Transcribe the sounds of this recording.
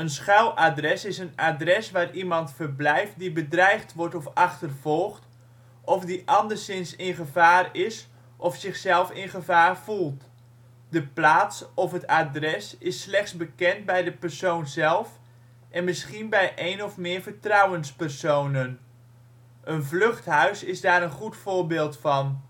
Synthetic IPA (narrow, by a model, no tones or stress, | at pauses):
ənsχawʔadrɛsɪsənadrɛsʋaːrimɑntfərblɛjft̚dibədrɛjχtʋɔɹtɔfɑχtərv̥ɔlˠχt | ʔɔfdiʔɑndərsɪnsɪnχəvaːrɪs | ʔɔfsɪχsɛlˠfɪnχəvaːrv̥ulˠt | dəplaːtsɔfɦətaːdrɛsɪsːlɛχtsbəkɛnd̚bɛjdəpərsownzɛlˠf | ʔɛnmɪsχinbɛjʔejnɔfmɪːɹvəɹtrɑwənspɛrsownən | ʔənvlɵχtɦœɥsɪzdaːɾənχutfʊːɹbɪːlˠtfɑn